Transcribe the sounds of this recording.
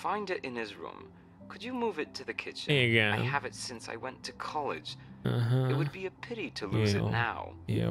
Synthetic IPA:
fãɪ̃ndɨɾɨ̃nɪzɹʊ̰̃m | kʰɨd͡ʒɨmuvɨtʰɨðɨkʰɪt͡ʃɨ̃ɡæ̃aɪɨvɨtsɪ̃nsa̰ɪwɛ̃ntʰɨkʰɑlˠɪ̰̥d͡ʒ̥̩ɦʌɨt̚wɨd̚biɨpʰɪɾiɾɨluzɨ̰nnaʊjæ̰

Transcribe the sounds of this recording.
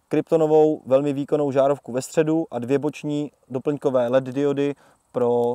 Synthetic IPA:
kɾɪpt̪o̞no̞vo̞wvɛlmɪviːko̞no̞wʒaːɾofkuvɛst̪r̝̥ɛduʔadvjɛbo̞t͡ʃɲiː | do̞pl̩ɲkovɛːlɛddɪodɪ | pɾo̞

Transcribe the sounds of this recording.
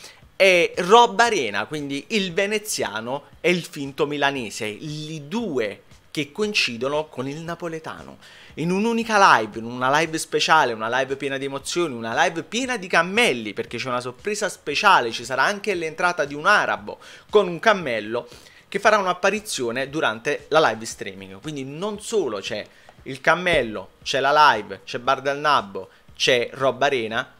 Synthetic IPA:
ɛrɔbːaɾɛːna̰kwind̪iʔilvenet̪sːja̰ːno | ɛilfint̪omilanɛːselid̪uːe | k̟ekːoint͡ʃiːd̪onokonilnapolet̪a̰ːno̰ | inunuːnikalajvinunalajvspet͡ʃaːleunalajvpjɛːnad̪iemot̪sːjoːniunalajvpjɛːnad̪ikamːɛlːiperk̟et͡ʃːɛunasorpɾeːzaspet͡ʃaːlet͡ʃisaɾaaŋk̟elent̪ɾaːt̪ad̪iunaːɾʔa̰bo̰konuŋkamːɛlːo | k̟efːaɾaunapːaɾit̪sːjoːned̪uɾant̪elalajvst̪ɾḭːmḭŋɡkwind̪inonsoːlot͡ʃɛ | ilkamːɛlːo̰t͡ʃɛlalajvt͡ʃɛbːard̪alnabːo̰ | t͡ʃɛrɔbːaɾɛːna

